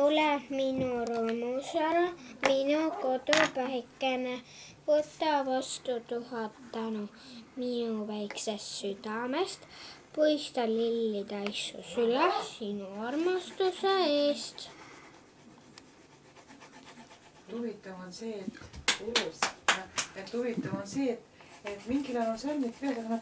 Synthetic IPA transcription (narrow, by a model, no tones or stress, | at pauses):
olɛminuɾomusæɾɑminuko̞t̪upæikːˑene | vot̪ːˑɑvɑst̪ut̪uhɑt̪ːɑnu | minuvæjksest̪syd̪ɑmest̪pujst̪ɑlilːit̪ɑjsṵsylæsinuɑrmɑst̪useeːst̪ | uvit̪ːˑɑvonseːt̪uu | et̪ːuvit̪ːˑɑvonseːt̪ːet̪miŋɡilɑnuselnit̪veːt̪ɑknɑ